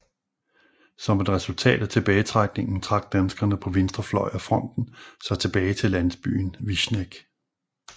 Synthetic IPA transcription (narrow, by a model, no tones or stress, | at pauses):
sɒ̽me̝d̥ʁɛsult͡sʰɛ̰ːd̥æt͡sʰe̝b̥ɛːɪt͡sʰʁäɡ̥ne̝ŋn̩t͡sʰʁɑ̈ɡ̥̚d̥ænsɡ̥ɐnəpʰɒ̽ʋe̝nsd̥ʁɐflɒ̽ɪæfʁɒ̽n̰d̥n̩sɑ̈ɪt͡sʰe̝b̥ɛːɪt͡sʰe̝lænsb̥y̰ːnʋiɕneɡ̥